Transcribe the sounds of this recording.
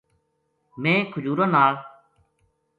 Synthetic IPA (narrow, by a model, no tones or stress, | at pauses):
mẽːkʰʊd͡ʒuːɾãːnaːɭ